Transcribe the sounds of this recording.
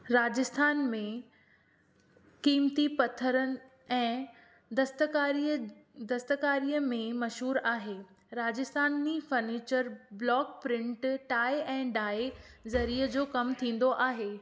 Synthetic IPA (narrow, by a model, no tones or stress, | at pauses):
ɾaːd͡ʑɪst̪ʰaːnmẽ | kiːmt̪ipɐt̪ʰəɾənɪ̆ | ɛ̃ː | d̪ɐst̪kaɾid̪ɐst̪əkaːɾiːjəmẽmɐʃɦuːɾaːɦeː | ɾaːd͡ʑɪst̪ʰaːnːifɐɾniːt͡ɕəɾblɔːk̚pɾɪ̃ɳʈʈaːɪʔɛ̃ːɖaːe | zɐɾiːəd͡ʑoːkɐmt̪ʰĩːn̆d̪oʔaːɦeː